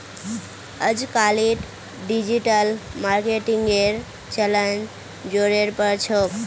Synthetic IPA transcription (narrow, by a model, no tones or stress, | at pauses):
əd͡ʒkaliʈ | ɖid͡ʒiʈəlmaɾkeʈiŋɡeɾ | t͡ʃələnd͡ʒ | d͡ʒoɾeɾpəɾt͡ʃʰo